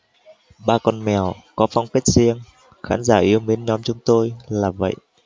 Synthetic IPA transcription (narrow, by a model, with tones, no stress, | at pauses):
ɓaː˧kɔ˧nmɛ˧˩əwkɔ˨˦fa˧wŋ͡mke˦˥t̚zi˧əŋ | xa̰ː˨˦nzaː˧˩ʔi˧əwmi˨˦ənɲɔ˨˦mt͡ɕʊ˨˦ŋ͡mt̪o˧jlaː˨˩və̰˧˨jʔ